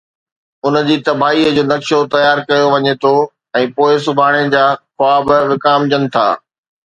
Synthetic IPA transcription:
ʊn̆d͡ʑiːt̪ɐbʱaːiːəd͡ʑoːnɐkʃot̪ɐjaːɾkɐjoʋɐɲet̪ʰo | ɛ̃ːpoːɪsʊbʱaːɽ̃ed͡ʑaːxʊaːbʋɪkaːmd͡ʑənɪ̆t̪ʰa̰ː

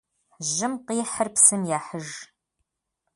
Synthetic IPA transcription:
ʒɪmqiːħərpsɨmjaːħəʒ

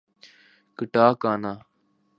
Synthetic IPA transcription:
kəʈaːkaːnaː

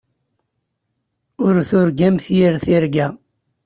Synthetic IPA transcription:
ʊɾθʊɾɡæmθjiɾθiɾɡæ

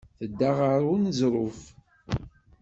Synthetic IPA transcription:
θəd̪ːaʁəɾʊnzɾˤʊf

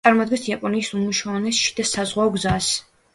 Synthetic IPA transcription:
aɾmɔd̪ɡɛ̃nsiapʼɔniːsumuʃavanɛsʃi̥d̪asazʁwaɔɡzas

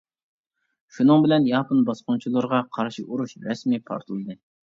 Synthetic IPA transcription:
ʃunɨŋbɪlɛnjɑːpɨnbɑsqʊnt͡ʃʰulˠɨɾʁɑqʰɑɾʃiʔuɾuʃɾɛsmipʰɑ̰ɾt̪ʰɨlˠɨd̪ɨ

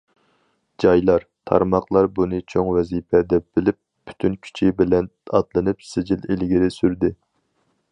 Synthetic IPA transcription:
d͡ʒɑjlˠɑɾt̪ʰɑ̰ɾmɑqlˠɑɾbunɨt͡ʃʰoŋvɛzipʰɛd̪ɛb̥ɪlɪp̚ːy̥t̪ʰynkʲʰy̥t͡ʃʰibɪlɛnɑt̪lˠɨnɨpsɪd͡ʒililɡʲiɾɪsyɾd̪ɪ

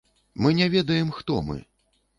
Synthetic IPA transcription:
mɨnʲɛvʲɛd̪ɐjɛmxt̪ɔ̰mɨ̰

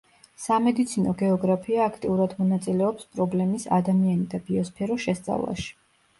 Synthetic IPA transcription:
samɛd̪it̪sʰinɔɡɛɔɡɾapʰiaːkʰt̪ʼiuɾad̪mɔnat̪sʼilɛɔpspʼɾɔblɛmisa̰d̪amianid̪abiɔspʰɛɾɔʃɛst̪sʼa̰vlˠa̰ʃi̥

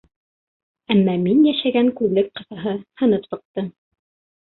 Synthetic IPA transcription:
æmːæminjæʃæɡæŋkʉðlɘk̚qɤ̆θɑɦɤhɤ̆nɤpsɤ̆q̚t̪ɤm

